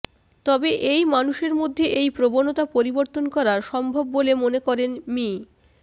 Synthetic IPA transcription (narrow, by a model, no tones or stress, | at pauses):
t̪ɔbeʔejmanuʃeɾmod̪ʱːeʔejpɾobonot̪apoɾiboɾt̪onkɔɾaɾʃɔmbʱobːolemonekɔɾenmi